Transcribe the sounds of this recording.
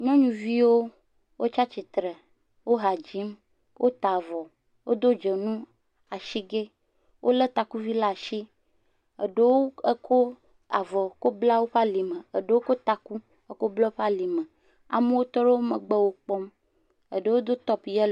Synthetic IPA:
ɲɔ̃˦ɲũ˨vi˦wo˦ | wo˦t͡ʃa˦t͡ʃi˨t̪ɾɛ˨ | wo˦ɦa˨d͡ʑi˦m | wʔo˦t̪a˨vɔ˨ | wo˦d̪o˦d͡ʒe˨nũ˦ | a˨ʃi˦ɡe˦ | wʔo˦le˦t̪a˨ku˦vi˦la˦˨ʃi˦ | ə˨ɖe˦wo˦e˦kʰo˦ | a̰˨vɔ˨ko˦bla˦wo˦ɸa˦li˨mə̃˨ə˨ɖe˦wo˦ko˦t̪a˨ku˦ | e˦ko˦blɔ˦ɸa˦li˨mə˨ | a̰˨mẽ˦wo˦t̪ɔ˦ɖe˦wo˦mə̃˨ɡ͡bɛ˦wo˦k͡pɔ˦m | ə̰˨ɖe˦wo˦d̪o˦t̪ɔ˦pjɛ˦l

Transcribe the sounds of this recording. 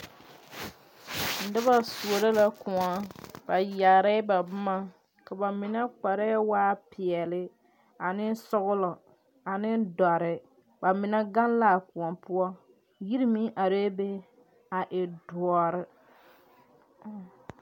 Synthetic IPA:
n̩˨dɨ˦ba˦su˨o˨ɾa˦la˦kʊ˨ŋɔ˨ba˨ja˨ɾa˦ba˨bʊ˦ma˦ | ka˨ba˨mɪ˨na˦k͡pa˨ɾa˦waː˦pɪ˨ɛ˨lɪ˦ | a˨nɪ˦sʊ˦ɣʊ˦lɔ˨ | a˨nɪ˦dɔ˨ɾɪ˨ | ba˨mɪ˨na˦ɡa˦nlaː˦˨kʊ˨ɔ˨pʊ˦ɔ˦ | ji˦ɾmi˦ʔa˨ɾe˦be˦ | a˨ʔɪ˨dʊ˨ɔ˨ɾɪ˦

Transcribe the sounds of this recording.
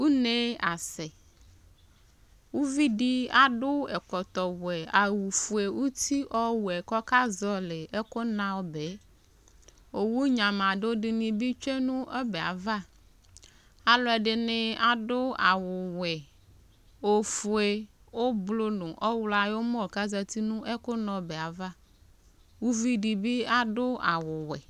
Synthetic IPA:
wu˦ne˦a˨se˨ | wu˦vi˦ɖi˦a˨ɖʊ˦e˨kɔ˨t̪ɔ˨wɛ˨a˨wu˨fu˨e˨wu˦t̪i˦ʔɔ˦wu˨ɛ˨kɔ˦ka˦zɔ˦le˨e˦ko˦nã˦wo˦be˨˦ | o˨wu˦ɲã˨mã˨ɖo˦ɖi˨nĩ˨bi˦t͡ʃe˦nũ˦ʔe˦be˨a̰˨va˦ | a˨lɔ˦ɛ˨ɖɪ˨nɪ̃˦a˨ɖʊ˦a˨wʊ˨wɛ˨ | o˨fu˨e˨ | wo˦blo˦nʊ̃˨ʔɔ˦wla˨jo˦mɔ̃˦˨ka˦za˦t̪i˦nũ˦ʔe˦ko˦nɔ̃˨be˨a˨va˦ | wu˦vi˦ɖi˨bi˦a˦ɖʊ˦a˨wʊ˨wɛ̰˨

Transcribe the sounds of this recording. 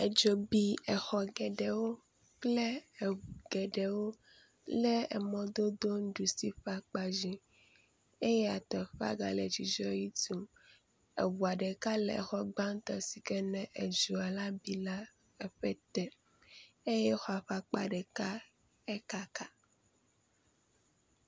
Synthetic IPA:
e˨d͡ʒo˨bi˦ɛ˨xɔ˨ɡɛ˨ɖɛ˨wo˦ | k͡ple˦˨ | ɡ̥ɛ˨ɖɛ˨wo˦ | lɛ˦ɛ̰˨mɔ̃˦d̪o˦d̪o˦n˦ɖu˨si˦ɸa˨k͡pa˨d͡ʒi˨ | e˦jɛ˦a˨t̪ɔ˨ɸa̰˦ɡa̰˨le˨d͡ʒi˨d͡ʒɔ˦ji˦t̪u˨m | ḛ˨wu˨a˨ɖɛ˨ka˦lɛ̰˨xɔ˦ɡ͡ba˦ŋ˦t̪ɔ˨si˨kɛ˦nɛ̃˨ʔe˨d͡ʒu˨a˨la˦bi˦la˦ | ɛ˨ɸɛ˦t̪ɛ˦ | e˦jɛ˦xɔ˦˨a˨ɸa˨k͡pa̰˨ɖɛ˨ka˦ | ɛ˦ka˦ka˨

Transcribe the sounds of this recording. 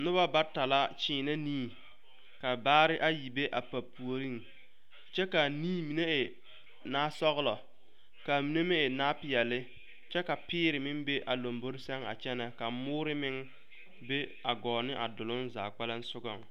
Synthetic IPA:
nʊ˦ba˦ba˦ta˨la˦t͡ʃiː˦na˦niː˦ | ka˨baː˦ɾɪ˦ʔa˦ji˨be˦ʔa˨pa˨pːu˨o˨ɾi˦ŋ | t͡ʃɛ˦ka˨niː˦mi˨ne˦ʔɪ˨ | naː˦sɔ˦ɣʊ˦lɔ˨ | ka˨mi˨ne˦mɛ˦ɪ˨naː˦pɪ˨jɛ˨lɪ˦ | t͡ʃɛ˦ka˨pɪː˦ɾɪ˨mɪ˦ŋbe˦ʔa˨lo˨mbo˦ɾɪ˦sɛ˦ŋa̰˨t͡ʃɛ˦nɛ˨ka˨mʊː˦ɾɪ˦mɪ˦ŋ | be˦a˨ɡɔː˨nɪ˦ʔa˨dʊ˨lʊ˦nza̰ː˨k͡pɛ˦la˦n̩˦sʊ˦ɡɔ˨ŋ

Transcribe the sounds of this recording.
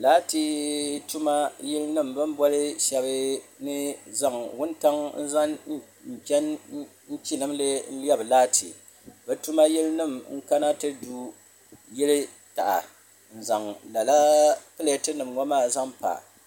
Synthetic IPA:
laː˦ti˦tu˦ma˦ji˦lnɨ˦m˨bɨ˦m˦bɔ˦lɨ˦ʃɛ˦βɨ˦nɨ˦za˦˨ŋwʊ˦nta˦ŋn̩˦za˦n˦ | m̩˨pɛ˦n | n̩˦t͡ʃi˦nɨ˦mlɨ˦n̩˦jɛ˦bɨ˨laː˦tʰi˨ | bɛ˨tu˦ma˦ji˦lnɨ˦˨mŋ̩˦ka˦na˦tɨ˦du˦ | jɛ˦lɨ˦ | ta˨ʔa̰˨ | n̩˨za˨ŋla˨la˦pɨ˦le˨tɨ˦nɨ˨mŋɔ˦maː˦˨za˦ŋpa̰˨

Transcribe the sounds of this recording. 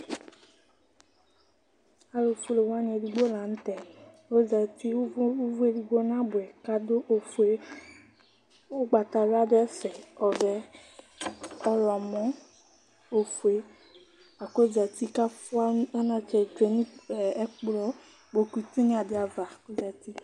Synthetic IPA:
a˨lo˨fu˦le˨wa˦nĩ˨e˨di˨ɡ͡bo˦lã˨n̩˦t̪ɛ˨ | o˦d͡za˨t̪i˦vu˦e˨di˨ɡ͡bo˦nã˦bʊ˨ɛ˨ka˦do˦ʔfe˦ | o˦ɡ͡ba˨t̪a˨la˦dɛ˦sɛ˨ɔ˨vɛ˨ | ɔ˦lɔ˨mɔ̃˨˦ | o˨fu˨e˨˦ | a˨ko˦d͡za˨t̪i˦ka˦fu˦a˦a˦nã˨t͡ʃɛ˨d͡ʒe˨nĩ˦˨˦k͡plɔ˦ | bo˨ku˨t̪u˦nĩ˦a˨dɪ˨˦a˨va˨ko˦za˨t̪i˦

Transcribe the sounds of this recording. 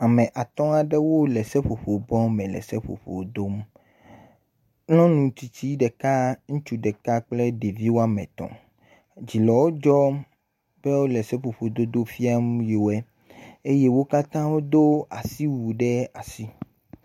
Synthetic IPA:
a˨mɛ̃˨ʔa˨t̪ɔ̃˦a˨ɖɛ˦wo˦lɛ˨sɛ˦ɸo˨ɸo˨bɔ̃˦mɛ̃˨lɛ̰˨sɛ˦ɸo̰˨ɸo̰˨d̪o˦m | lɔ̃˦nũ˨t̪i˨t͡ɕi˦ɖɛ˨ka˦ŋũ˦t͡ʃu˦ɖɛ˨ka˦k͡plɛ˦ɖe˨vi˦wo˦a˦mɛ̰̃˨t̪ɔ̰̃˨ | d͡ʑi˨lɔ˨wo˦d͡ʒɔ˦m | b̥ɛ˦wo˦lɛ˨sɛ˦ɸo˨ɸo˨d̪o˦d̪o˦fi˦a˦m˦je˨o˨˦ɛ˦ | e˦je˦wo˦ka˦t̪ã˦wo˦d̪o˦a˨si˦wu˨ɖɛ˦a˨si˦

